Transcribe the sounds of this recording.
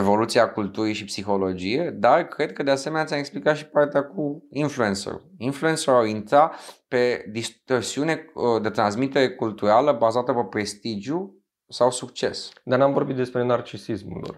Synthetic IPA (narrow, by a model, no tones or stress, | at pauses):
evo̞lut̪siakult̪uɾiʃipsixo̞lo̞d͡ʒije̞d̪arkɾe̞d̪̚kəd̪easeme̞neat̪sʲameksplikat̪ʃi̥part̪eakuinflue̞nsə̰ɾṵinflue̞nsəɾuaint̪ɾape̞d̪ist̪orsiune̞d̪e̞t̪ɾansmit̪e̞ɾe̞kult̪uɾaləbazat̪əpəpɾe̞st̪id͡ʒju | sawsukt͡ʃe̞sd̪arnamvo̞rbit̪d̪e̞spɾenart͡ʃisismṵlo̰r